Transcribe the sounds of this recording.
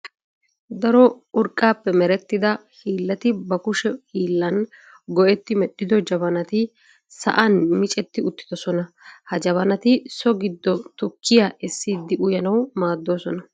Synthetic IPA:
d̪ɐɾɔ | ʊɾkʼːaːpːɛmɛɾɛt̪ːɪd̪ɐhiːlːɐt̪ɪbɐkʊʃɛhiːlːɐn | ɡɔʔɛt̪ːɪmɛɗːɪd̪ɔd͡ʒɐbɐnɐt̪ɪ | sɐ̰ʔɐnmɪt͡ʃʼɛt̪ːɪʊt̪ːɪ̥d̪ɔsɔnɐ | hɐd͡ʒɐβɐnɐt̪ɪsɔɡɪd̪ːɔt̪ʊkʰːɪjaʔɛsːiːd̪ːɪʔʊjɐnɐwmaːd̪ːo̞ːsɔnɐ

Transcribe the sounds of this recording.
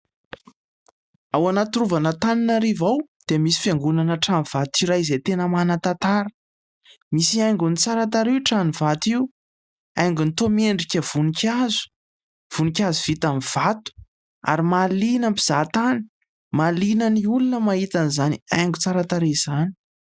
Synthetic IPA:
awanat̪uɾuvanət̪aninaɾivawd̪̥emisi̥feŋɡunanəʈ͡ʂaniv̥at̪iɾaizet̪enəmanat̪at̪aɾə̥ | misiajŋɡunit͡saɾat̪̬aɾiuʈ͡ʂanivat̪iu | ajŋɡunt̪omeɳɖ͡ʐikʲəv̥unikʲazu̥ | v̥unikʲazuv̥it̪amiv̥at̪u̥ | a̰ɾimalinəmpi̥z̥at̪ani̥ | malinəniulunəmaɦit̪anizaniajŋɡut͡saɾat̪aɾez̥ani̥

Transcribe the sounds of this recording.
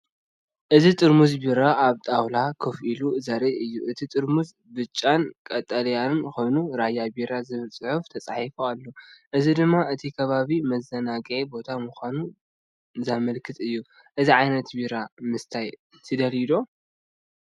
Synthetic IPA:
ʔɨzit̪ʼɨɾmuzbiɾaʔaβt̪ʼawlakʰɨfʔiluzɐɾiɨjːuʔɨt̪ʰit̪ʼɨɾmuz | bɨt͡ʃʼːankʼɐt̪ʼːɐlɐjannxo̞jnuɾajabiɾazɨβɨlt͡sʼɨħuft̪ʰɐt͡sʼaħifoalːo̞ʔɨzid̪ɨmːaɨt̪ʰikʰɐβaβimɐzːɐnaɡʕibo̞t̪ʰamuxʷanu | zamɐlkʰɨt̪ʼɨjːu | ʔɨziʕajnɐt̪biɾamɨst̪ʰaj | t̪ʰɨd̪ɐlid̪o̞

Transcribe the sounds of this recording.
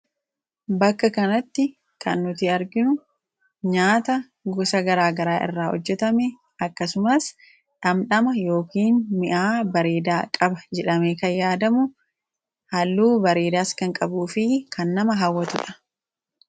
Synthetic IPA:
bɐkːɐkɐnɐt̪ːɪ | kɐnːʊt̪ɪɐɾɡɪnʊ | ɲaːt̪ɐ | ɡɔsɐɡɐɾaːɡɐɾaːʔɪ̰rːaːhɔ̰d͡ʒːɛt̪ɐmɛ | ɐkːɐsʊmɐs | ᶑɐmᶑɐmɐjo̞ːkiːnmɪʔaːbɐɾeːd̪aːkʼɐbɐd͡ʒɛᶑɐmekɐjjaːd̪ɐmʊ | hɐlːuːbɐɾeːd̪aːskɐŋkʼɐbuːfɪkʰɐnːɐmɐɦɐwːɐt̪ʊᶑɐ̥

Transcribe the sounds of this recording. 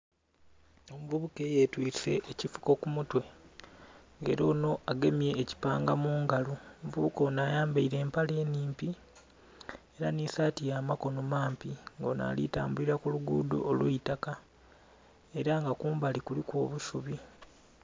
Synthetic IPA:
o̞muvuβuke̞jetwiːse̞̰ʔːcifu̥ko̞kumutwe̞ | ŋɡe̞̰ːɾo̞ːno̞ʔaɡe̞mje̞ːci̥paːŋɡamuːŋɡaluomuvuβuko̞naːjaːmbaiɾe̞ːmpale̞ːniːmpi | eɾanisaːtijaːmako̞no̞maːmpiŋɡona̰lḭtaːmbuliɾakuluɡṵːdo̞̰ːlwuitaka | e̞ɾaŋɡakuːmbalikulikwo̞ːβusuβi

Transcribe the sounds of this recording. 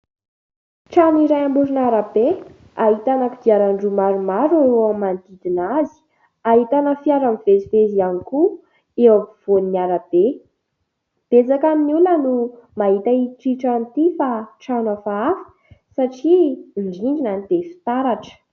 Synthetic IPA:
ʈ͡ʂaniɾajambuɾinaɾabe | aɦit̪anakid̪iaɾaɳɖ͡ʐumaɾumaɾaɾoamːand̪id̪inazi̥ | aɦit̪anəfiaɾamvezivezianiku | ewav̥oniaɾab̥e | b̥ed͡zakaminulənumaɦit̪aiʈ͡ʂiʈ͡ʂant̪ifaʈ͡ʂawnafaafə̥ | saʈ͡ʂiɳɖ͡ʐiɳɖ͡ʐinanid̪̥efi̥t̪aɾaʈ͡ʂə̥

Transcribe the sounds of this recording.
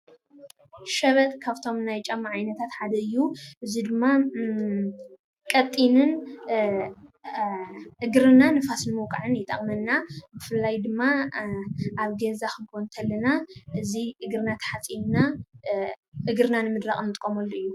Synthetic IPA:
ʃɐβɐt̪ʼkʰaβt̪ʰo̞mnajt͡ʃʼɐmːaʕajnɐt̪ʰat̪ħad̪ɐɨjːuʔɨzid̪ɨmːa | kʼɐt̪ʼːinɨn | ʔɨɡɾɨnanɨfasnɨmɨwkʼaʕɨnjɪt̪ʼɐ̰χʼmɐnːabɨfɨlːajd̪ɨmːa | ʔaβɡezaxɨnkʰont̪ʰɐlːɐnaʔɨziʔɨɡɾɨnat̪ʰħat͡sʼimna | ʔɨɡɾɨnanɨmɨd̪ɾaχʼnɨt̪ʼkʼːomɐlːuɨjːu

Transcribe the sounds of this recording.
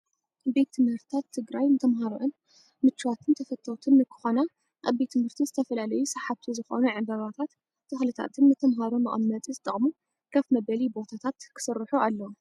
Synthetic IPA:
be̞t̪ʰːɨmhɨɾt̪t̪ʰat̪ʰːɨɡɾajnɨt̪ʰɐmɦaɾoʕɨn | mɨt͡ʃːwat̪ʰɨnt̪ʰɐfɐt̪ʼʰːot̪ʰɨnːɨkʰɨ̥xona | ʔaβbet̪ʰːɨmhɨɾt̪ʰizɨt̪ʰɐfɐlalɐjusɐħaβt̪ʰizɨxo̰nuʕɨbɐβat̪ʰat̪ | t̪ʰːɨxlɨt̪ʰa̰t̪ʰɨnːɨt̪ʰɐmɦaɾomɐ̰ʔʼɐmːɐt̪ʼizɨt̪ʼɐχʼmu | kʰɐfmɐbɐlibo̞t̪ʰat̪ʰat̪kʰɨ̥sɨɾːɨħuʔalːɐw

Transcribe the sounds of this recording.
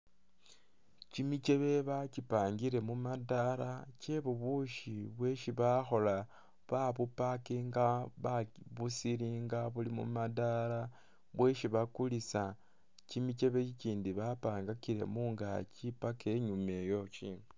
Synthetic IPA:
cimit͡ʃe̞βe̞βacipaːŋɡiɾe̞mumadaɾace̞βuβuʃiβwe̞ʃiβaxo̞la | βaβupakiŋɡaβaβusiɾiŋɡaβulimṵmadala | βwe̞ʃiβakulisa | cimit͡ʃe̞βeiciːndiβapaːŋɡakiɾe̞̰muŋɡa̰t͡ʃipakeɲume̞jo̞t͡ʃi

